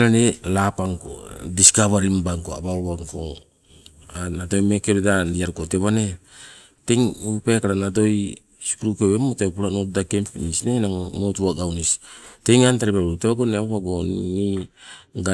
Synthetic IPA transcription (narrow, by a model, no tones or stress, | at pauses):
ɾanelapaŋko̰diskaβaɾimbaŋkoa̰baoβaŋko | anado̞jmekeɾedadiaɾukoteβane | teŋupekaɾanado̞j | si̥pɾukeβemotepuɾanotdakempinisnenaŋmotuaɡawnistejŋantaɾipateβaɡoneβaβaɡoni | ɡa